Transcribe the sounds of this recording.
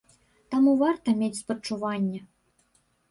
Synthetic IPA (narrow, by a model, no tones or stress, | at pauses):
t̪amuvart̪ɐmʲet͡sʲspət͡ʂːuvanʲːɛ